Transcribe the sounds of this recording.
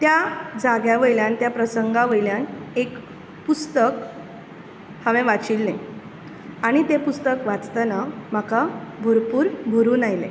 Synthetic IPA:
t̪jad͡zaɡjaʋəjljant̪japɾəsəŋɡaʋəjljanek | pust̪ək | həʋɛ̃ʋat͡ɕiːlnẽ | aɽ̃it̪epust̪əkʋat͡st̪anam̤akabʱoɾpuːɾbʱoɾuːnajlḛ̃

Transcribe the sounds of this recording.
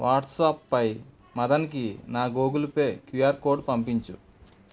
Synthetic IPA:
ʋaːʈsaːpːɐj | mɐd̪ɐnik̬inaːɡoːɡulupe̞ːkijaːɾkoːɾɖpɐmpiɲt͡ʃṵ

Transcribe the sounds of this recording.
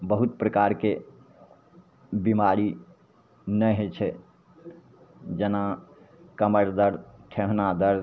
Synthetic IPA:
bəɦut̪̚pɾəkaɾke | bimaɾi | nəjɦet͡ʃʰɛ | d͡ʒəna | kəməɾd̪əɾʈʰeɦnad̪əɾ

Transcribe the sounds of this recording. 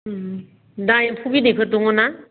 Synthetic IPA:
dajpʰubidekʰɯtuŋɔna

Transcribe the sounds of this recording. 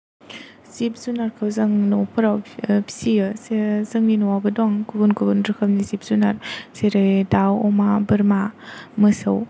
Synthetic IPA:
z̥ip̚zunaɾkʰawzaŋnɔpʰɯɾawpʰi̥siɯsezɯŋninuwabɯdɔŋkubunkubunɾɯkʰəmnizip̚z̥unaɾseɾɯjdawɔmabɯɾmamɯsəw

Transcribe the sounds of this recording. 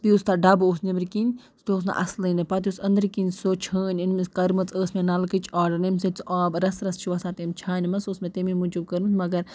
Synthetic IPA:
biust̪aɖɐboːsnibɾkinʲ | st̪oːs̬na̰ʔɐ̰slɨnɨpɐt̪̬usɐnd̪ɾkinʲsot͡ʃʰəːnʲinmiskɐɾmɨt͡sʼəːsmʲenɐlkɨt͡ʃʰaːɖɐɾnɐmsɐt͡sʰʔaːbɾɐsɾɐst͡ʃʰiʋɐsaːt̪emt͡ʃʰaːnʲmɐsosmet̪emimud͡ʒub̚kɐɾmɨt͡smɐɡɐɾ

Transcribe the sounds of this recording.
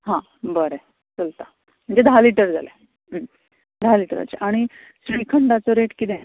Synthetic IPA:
ɦã | bəɾe | t͡səlt̪a | m̤əɳd͡zed̪ʱaliʈəɾd͡za̰lḛ | d̪ʱaliʈəɾa̰t͡ɕḛʔaɽ̃i | sɾikʰəɳɖat͡soɾeʈkit̪ɛ̃

